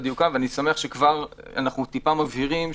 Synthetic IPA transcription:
d̪jukaveanisameaχʃekvaʁa̰naχnut̪ipamavɦiʁim

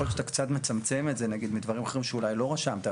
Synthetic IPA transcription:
oleat̪akt͡sat̪me̞t͡samt͡se̞metzenaɡid̪mid̪vaʁimaχe̞ʁimʃeulajlo̞ʁaʃamt̪a

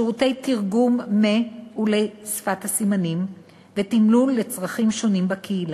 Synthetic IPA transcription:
ʃʁute̞jtiʁɡumːeulejsfathasimanim | vetimlulːet͡sʁaχimʃo̞nimbakʰeila

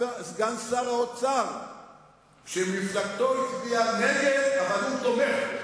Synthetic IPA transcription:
zɡansaʁaot͡saʁ | ʃemiflaɡt̪oit͡sbianeɡevavalutomeχ

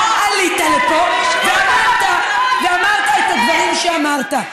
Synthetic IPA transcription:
aʔalit̪alepo | veamaʁt̪a | veamaʁt̪aet̪haɡvaʁimʃeamaʁt̪a

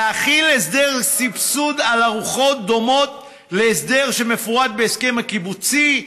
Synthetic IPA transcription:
aχiles̬d̪e̞ʁsipsud̪alaʁuχo̞t̪̚d̪o̞mo̞t̪ | leːsd̪e̞ʁʃe̞me̞fuʁad̪̚beːske̞makibut͡si

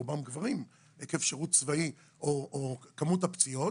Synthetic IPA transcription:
ubamɡvaʁim | ekefʃeʁutt͡svai | ʔoʔokamutapt͡sio̞

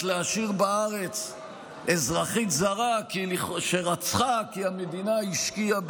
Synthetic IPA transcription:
leaʃiʁbaaʁe̞t͡s | ezʁaχitzaʁakiʃeʁat͡sχakiame̞d̪inaiʃkiab

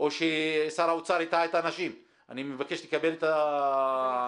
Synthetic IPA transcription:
o̞ʃesaɾaut͡saɾit̪aet̪anaʃim | a̰nimevake̞ʃlekabe̞let̪a

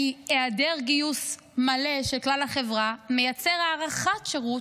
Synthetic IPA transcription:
ieadeʁɡius | male̞ʃelklalhaχe̞vʁame̞jat͡se̞ʁaːʁaχatʃeʁu

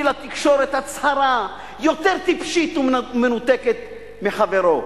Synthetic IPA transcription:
ilat̪ikʃo̞ɾet̪hat͡shaɾa | jo̞t̪eʁt̪ipʃit̪umenut̪eket̪ | meχaveɾo̞

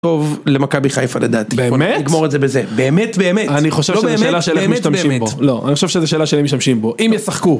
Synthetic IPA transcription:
t̪o̞vlemakabiχajfalad̪at̪ibeːmetniɡmoʁezebezebeːmetbeːmetaniχo̞ʃevloʃzeeːlaʃelemiʃt̪amʃimbolo̞a̰niχoʃvʃezeʃeːlaʃelemiʃt̪amʃimbo̞ʔimjesaχku

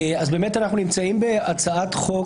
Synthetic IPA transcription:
azbe̞metanaχnunimt͡saimbe̞at͡saatχo̞

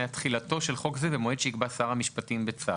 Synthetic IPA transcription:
eatχilato̞ʃe̞lχo̞kzevemo̞edʃeikbasaʁamiʃpatimbet͡sa

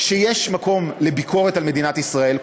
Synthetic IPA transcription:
ʃejeʃmako̞mlebikʰo̞ʁetalme̞d̪inat̪isʁae̞l

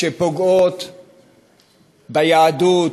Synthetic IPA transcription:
epoɡot̪ | bajaːdut

